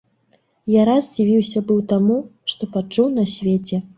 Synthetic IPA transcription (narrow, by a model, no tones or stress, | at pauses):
jaɾazʲd͡zʲivʲiwsʲɐbɨwt̪amuʂt̪ɔpat͡ʂuwnɐsʲvʲet͡sʲɛ